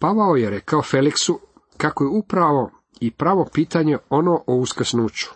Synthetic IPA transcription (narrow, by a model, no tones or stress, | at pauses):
paʋaojeɾe̞kaofe̞liksu | kako̞jeupɾaʋo̞ | ipɾaʋo̞piːt̪aɲe̞o̞noːʔouskrsnuːt͡ɕu̥